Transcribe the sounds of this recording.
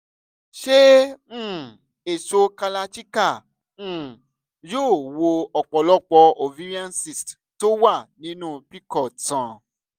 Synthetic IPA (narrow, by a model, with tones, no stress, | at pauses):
ʃẽ˦˨ | e˨so˧ka˧la˧t͡ʃi˦kã˦˨˦ | joː˦˨wo˧ɔ˨k͡pɔ˨lɔ˦k͡pɔ˧o˨vi˦ɾi˦ã˦nsi˨st | to˦wa˦˨nĩ˨˦nũ˦pi˦kɔ˦˨tã˨